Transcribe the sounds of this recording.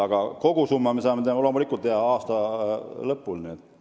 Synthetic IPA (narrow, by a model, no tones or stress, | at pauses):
ɑɡ̥ɑko̞ɡusumːɑmesɑːmet̪eolomulikːˑult̪ːehɑɑːst̪ɑlɤpːˑulniet̪ː